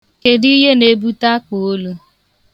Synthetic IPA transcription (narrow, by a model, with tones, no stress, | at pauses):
ke˨di˦ɦe˦ne˦bu˦ta˦k͡po˨o˦lu˦